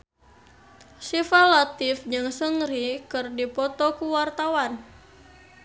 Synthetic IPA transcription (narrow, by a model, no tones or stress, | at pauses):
sifalat̪ɪfɲɨŋsəŋɾikɨrdipɔt̪ɔkuwart̪awan